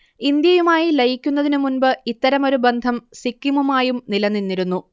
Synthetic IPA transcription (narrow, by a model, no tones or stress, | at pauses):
ind̪jɐjumaːjilɐjikʲːunːɐðinɨmunbɨit̪ːɐɾɐmo̞ɾubend̪ʱɐmsikːimumaːjumnilɐnːinːiɾunːu